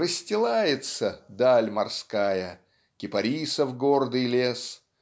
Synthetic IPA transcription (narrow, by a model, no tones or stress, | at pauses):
rəsʲtʲɪlˠajɪt̪səd̪alʲmɐrskajə | kʲɪpɐɾʲisəfɡord̪ɨjlʲes